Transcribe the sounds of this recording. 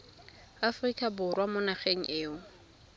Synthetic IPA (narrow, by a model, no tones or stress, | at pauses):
afrikʼabʊrwamʊnaχeŋ̩ʔeːʊ